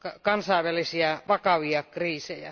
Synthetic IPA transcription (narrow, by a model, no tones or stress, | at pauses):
kɑkɑnsɑˑeʋʋælisiɑʋɑkɑʋiɑkriːsejæ̰